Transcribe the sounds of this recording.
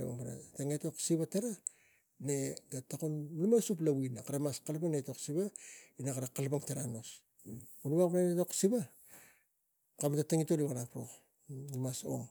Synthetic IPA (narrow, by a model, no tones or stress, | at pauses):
ḛa̰ŋbaɾa̰taŋeto̞ksiβateɾa | ne̞ɡatakunlumasuplawinakaɾamaskalpaŋneto̞ksiβainakaɾakalpaŋteɾano̞s | unuβakpaɾaeto̞ksiβa | kamtataŋitoliβaɾapɾo̞̰ | limaso̞̰ŋ